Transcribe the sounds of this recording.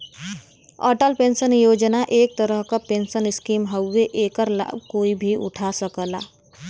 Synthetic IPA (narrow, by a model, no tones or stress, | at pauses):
ɔ̰ːʈəlpẽːnsənjoːd͡ʒnaʔeːk̚t̪əɾəɦkapensənɪskiːmɦəwːeʔeːkəɾla̰ːb̚koːibʱiʔʊ̰ʈʰasəkəla̰